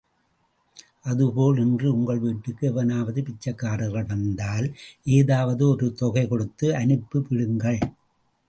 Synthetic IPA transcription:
ʔɐðɯpoːlɛndrɯʊŋɡɐɭʋiːʈːɯkːɯɛʋɐnaːʋɐðɯpɪt͡ʃːɐkːaːɾɯɣɐɭʋɐnd̪aːlʔeːðaːʋɐðɯɔɾɯt̪ɔɣɐɪkɔɽɯt̪ːɯʔɐnɯpːɯpɪɻɯŋɡɐɭ

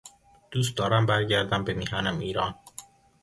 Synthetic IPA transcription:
d̪̥uːs̬t̪̚d̪ɒːɾæmbæɾɟæɾd̪æmbemihænæmiːɾɒːn

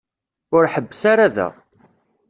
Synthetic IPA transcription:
ʊɾħəbːsaɾaðæ̰

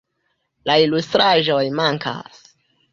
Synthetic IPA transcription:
lailustɾaʒo̞jmaŋkʰa̰s

